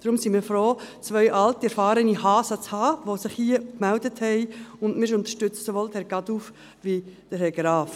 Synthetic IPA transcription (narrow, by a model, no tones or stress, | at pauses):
d̥ɾʊmsimiːfɾoːt͡svœʏʔɑltiɛɾfɑːɾənihɑːsət͡shɑːʋosɪχhiəkmældəthɛɪʊndmɪɾɪʃʊnt̪əʃtʏt͡səsoʋoːldəhɛɾɡɑduf | ʋid̥əɾɦɛɡɾɑːf